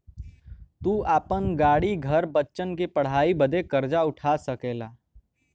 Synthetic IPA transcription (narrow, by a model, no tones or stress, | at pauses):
t̪uːaːpənɡaːɽiɡʱəɾbətːʃənkepəɽ̤ɦaːibəd̪ʱekəɾd͡ʒaʊʈʰasəkeːlaː